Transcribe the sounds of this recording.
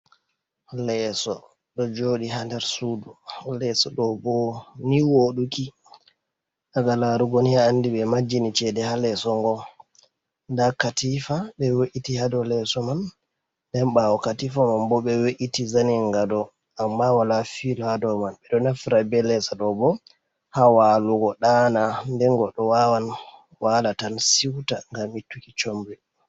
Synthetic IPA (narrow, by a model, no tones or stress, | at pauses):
lɛsɔ | ɗɔd͡ʒoɗiɦandaɾsudulɛsɔɗɔbɔniwoɗuki | aɡalaɾuɡoniaːndiɓɛmad͡ʒːinit͡ʃɛdɛhalɛsɔŋɡɔ | ndakatifaɓɛweʔitihadɔlɛsɔman | dɛnɓawɔkatifamambɔɓɛweʔitizaniŋɡadɔ | ʔambawalafilɔhadɔmanɓɛɗɔnafɾabɛlɛsaɗɔbɔ | hawaluɡɔɗanandɛŋɡɔɗɔwawan | walatansiwtaŋɡamitːukit͡ʃombi